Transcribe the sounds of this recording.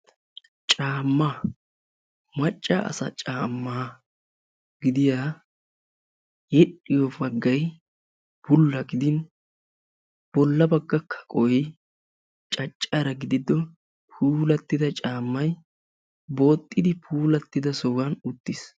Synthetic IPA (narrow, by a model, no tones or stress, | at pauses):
t͡ʃʼaːmːa | mɐt͡ʃʼːa̰ʔɐ̰sɐ̰t͡ʃʼaːmːaː | ɡɪd̪ɪjaː | jɛᶑɪjɔbɐɡːɐj | bʊlːɐɡɪd̪ɪn | b̥ɔlːɐbɐɡːɐkʰːɐ̥kʼɔj | t͡ʃʼɐt͡ʃʼːɐɾɐɡɪd̪ɪd̪ɔ | pʰuːlɐt̪ːɪd̪ɐt͡ʃʼaːmːɐj | bo̞ːt̪ʼːɪd̪ɪpʰuːlɐt̪ːɪd̪ɐsɔɡɐnʊt̪ːɪs